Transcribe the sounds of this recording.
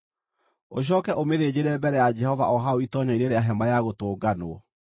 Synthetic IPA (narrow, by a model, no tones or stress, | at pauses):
oɕ̬ɔːkɛʔomeðeːd͡ʑeɾɛbɛɾɛjad͡ʒɛhɔva̰ʔɔɦaoitɔɲaineɾeaɦɛmajaɣotoːɡanoɔ